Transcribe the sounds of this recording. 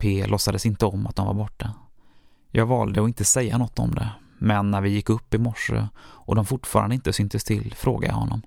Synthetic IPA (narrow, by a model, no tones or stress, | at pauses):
pʰeːlɔsːad̪əsɪnt̪əɔmːa̰t̪̚d̪ɔmvaɾbɔʈːa | jɑːɡvɑːld̪əɔɪnt̪əsɛjːanɔt̪ʰːɔ̰md̪ɛ̰ | mɛnːæɾvɪjɪkːɵpːɪmɔʂːə̰ʔɔd̪ɔmfʊʈfɑːɾand̪ɪnt̪əsʏnt̪əst̪ʰɪlfɾoːɡad̪jɑ̰hɔ̰nːɔm